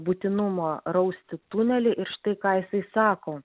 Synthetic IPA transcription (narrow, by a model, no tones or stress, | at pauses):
bʊt̪ʲɪnʊmoːɾɐʊsʲt̪ʲɪt̪unʲɛlʲɪʔɪɾʃɪ̥t̪ɐɪkɑːjɪsɐɪsɑːkoː